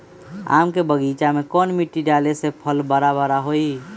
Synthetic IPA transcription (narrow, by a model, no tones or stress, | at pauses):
a̰mkebəɡit͡ʃamekɔnmiʈːiɖalesepʰəlbəɾabəɾaɦoi